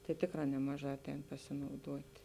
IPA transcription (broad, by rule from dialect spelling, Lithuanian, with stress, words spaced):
tɐɪ ˈtʲeːkˌrɑː ˈnʲæːmɐˌʒɑː ˈɑːˌtʲɛːn pɐsʲɪnɐʊˈduɔtʲ